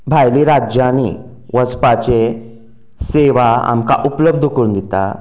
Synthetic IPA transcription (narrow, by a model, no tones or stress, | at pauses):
bʱajliɾad͡ʑani | ʋəspat͡ɕe | seʋaa̰mka̰ʔupləb̚d̪ʱukund̪it̪a̰